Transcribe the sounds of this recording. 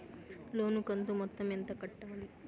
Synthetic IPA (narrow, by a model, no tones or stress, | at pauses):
loːnukɐnt̪umɔt̪ːɐment̪ɐkɐʈːɐʋɐɭi